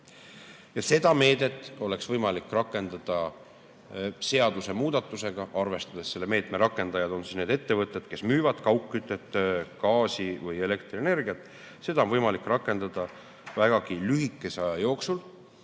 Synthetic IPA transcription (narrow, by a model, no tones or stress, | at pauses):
jɑse̞d̪̥ɑme̞ːd̪e̞t̪ːˑo̞le̞ksvɤjmɑlikːrɑkːˑe̞nd̪ɑd̪̥ɑ | se̞ɑd̪use̞muːd̪̥ɑt̪ːˑuse̞ɡ̥ɑʔɑrve̞st̪ɑd̪̥e̞sːe̞lːe̞me̞ːt̪me̞ɾɑkːˑe̞nd̪̥ɑjɑd̪o̞nsisne̞ːd̪̥e̞t̪ːe̞vɤt̪ˑːe̞d̪̥ke̞smyːvɑd̪̥kɑwkːˑyt̪ːˑe̞t̪kɑːsivɤje̞le̞kt̪riene̞rɡiɑt̪ːˑ | se̞d̪̥ɑonvɤjmɑlikːˑrɑkːˑe̞nd̪̥ɑd̪̥ɑ | væɡ̥ɑɡ̥ilyɦikːˑe̞sɑjɑjo̞ːksul